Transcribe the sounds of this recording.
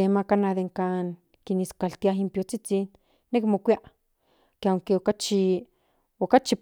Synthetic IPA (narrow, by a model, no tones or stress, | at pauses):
emakanaðeŋkaːŋ | kiniskalt̪iaɦimpjot͡sit͡sinː | ekmokʷiaʔ | keaŋkeokat͡ʃi | okat͡ʃi